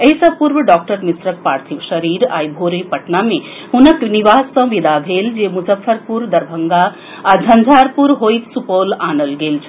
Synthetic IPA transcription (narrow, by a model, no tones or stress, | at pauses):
ejsəpuɾbəɖɔk̚ʈəɾmisɾək̚paɾt̪ʰibʃəɾiɾa̰jbʱoɾipɐʈname | hunəkniʋasːʌ̃ʋid̪ʱabʱeld͡ʒemuzəfʰːəɾpuɾd̪ɐɾbʱəŋɡaː | d͡zʱɐnd͡ʒʱaɾpuɾɦojt̪supolanəlɡelt͡ʃʰ